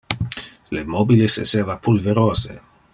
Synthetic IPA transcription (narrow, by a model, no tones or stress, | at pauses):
lemoːbilesḛseːvapulveɾoːzḛ